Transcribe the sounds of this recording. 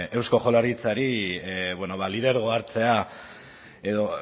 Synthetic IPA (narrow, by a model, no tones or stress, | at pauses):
e̞wsko̞χo̞laɾit͡saɾiβweno̞βalið̞e̞ɾɣ̞o̞aɾt͡se̞a | e̞ðo̞